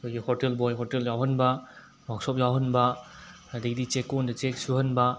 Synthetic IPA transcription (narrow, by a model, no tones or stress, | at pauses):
kʰojɡihɔɾtelbɔjɦɔteljawhɐnbɐ | mak̚sɔp̬̚jawɦɐnbɐ | adɐɡidit͡ʃekːɔndɐt͡ʃek̚suhɐnbɐ